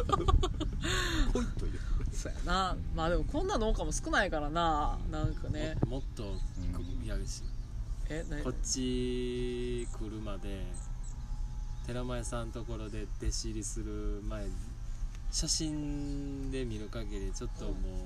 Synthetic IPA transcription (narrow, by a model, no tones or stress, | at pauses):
koit̪ːojɯsoːja̰namaːd̪e̞mo̞kõ̞nːano̞ːkamo̞sɨ̥kɯ̟naikaɾananãŋkanemo̞t̪ːo̞kjaɾɯ̟ɕi̥enako̞t͡ɕːi | kʰɯ̟ɾɯ̟mad̪e̞ | t̪e̞ɾamaesãnt̪o̞ko̞ɾo̞d̪e̞d̪̥e̞ɕiɾʲisɨɾɯ̟mae̞ɲi | ɕaɕĩnd̪e̞mʲiɾɯ̟kaɡeɾʲit͡ɕo̞t̪ːo̞moː